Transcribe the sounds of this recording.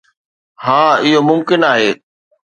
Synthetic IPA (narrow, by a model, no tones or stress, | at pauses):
hãːɪɦomʊmkɪnaːɦeː